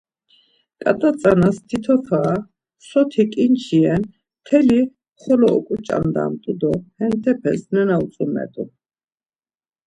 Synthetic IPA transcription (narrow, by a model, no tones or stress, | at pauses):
kʼat̪ʼat͡sʼanast̪ʰit̪ʰɔt̪ʰaː | sɔt̪ʰikʼint͡ʃʰiɛn | t̪ʰɛli | χɔlɔɔkʼut͡ʃʼa̰nd̪a̰mt̪ʼud̪ɔhɛnt̪ʰɛpʰɛ̰snɛnaut͡sʼumɛ̰t̪ʼu